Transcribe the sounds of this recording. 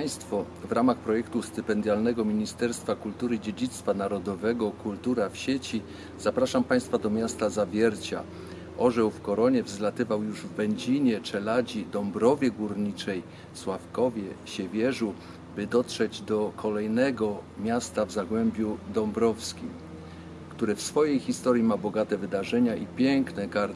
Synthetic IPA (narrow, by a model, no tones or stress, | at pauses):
paj̃st̪fɔ | vɾamaxpɾɔjɛkt̪ust̪ɘpɛnd̪ʲjalnɛɡɔmʲiɲist̪ɛɾst̪fakult̪uɾɘid͡ʑed͡ʑit̪st̪fanaɾɔd̪ɔvɛɡɔkult̪uɾafɕet͡ɕi | z̥apɾaʂampaj̃st̪fad̪ɔmʲjast̪azavʲjɛɾt͡ɕa̰ | ʔɔʐɛwfkɔɾɔɲɛvzlat̪ɘvawjuʐvɛɲd͡ʑiɲɛt͡ʂɛlad͡ʑid̪ɔmbɾɔvʲjɛɡuɾɲit͡ʂɛj | swafkɔvʲjɛɕɛvʲjɛʐu | bɘd̪ɔtʂɛd͡ʑd̪ɔkʰɔlɛjnɛɡɔmʲjast̪avzaɡwɛmbʲjud̪ɔmbɾɔfskʲim | kt̪uɾɘfsfɔjejxʲist̪ɔɾʲjimabɔɡat̪ɛvɘd̪aʐɛɲaʔipʲjɛŋknɛɡaɾd̪